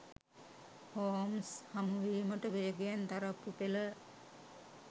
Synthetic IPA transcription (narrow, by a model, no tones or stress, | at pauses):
hoːmshamuʋiːməʈəʋejəɡejand̪aɾapːupelə